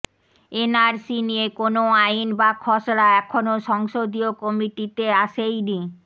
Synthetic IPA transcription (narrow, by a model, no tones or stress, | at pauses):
enaɾsinijekonoajnbakʰɔʃɾaɛkʰonoʃɔŋʃod̪iokɔmiʈit̪eaʃejni